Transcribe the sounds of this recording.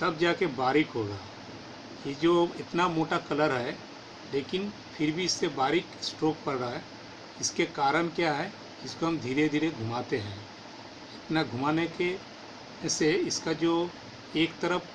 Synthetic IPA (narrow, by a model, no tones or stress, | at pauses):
t̪ɐb̚d͡ʒaːkebaːɾɪkɦoɡa̰ː | jed͡ʒoːɪt̪namoːʈakɐləɾɦɛ | leːkɪn | pʰɪɾbʱiɪsːebaːɾɪksʈɾoːk̚pɐɽɾaɦɛ | ɪskekaːɾəñkjaːɦɛ | ɪskoɦɐ̃md̪ʱiːɾed̪ʱiːɾeɡʱʊmaːt̪eɦɛ̃ː | ɪt̪naɡʱʊmaːneke | seɪskad͡ʒoː | eːkt̪əɾəp